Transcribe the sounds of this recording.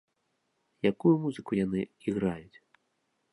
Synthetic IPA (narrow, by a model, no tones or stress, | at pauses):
jakujumuzɨkujanɨiɣɾajut͡sʲ